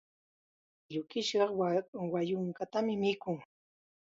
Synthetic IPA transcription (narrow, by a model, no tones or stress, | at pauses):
ʎʊkɪʃɢɑwajʊŋkat̪amɪmɪkʊŋ